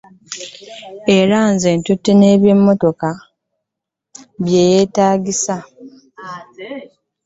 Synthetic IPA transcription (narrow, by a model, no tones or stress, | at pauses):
eɾaːnzeːntutːene̞ːβje̞mːo̞to̞ka | βje̞ːjeːtaːɡisa